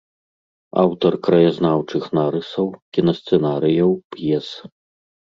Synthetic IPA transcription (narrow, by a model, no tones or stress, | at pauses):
a̰wt̪ɐrkɾɐjaznawt͡ʂɨxnaɾɨsɐwkʲinɐst̪sɛnaɾɨjɐwpjɛs